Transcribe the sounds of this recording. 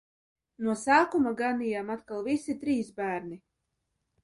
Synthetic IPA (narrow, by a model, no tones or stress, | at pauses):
nuɔsaːkumaɡanijamat̪kalˠvisit̪ɾiːsbæːɾni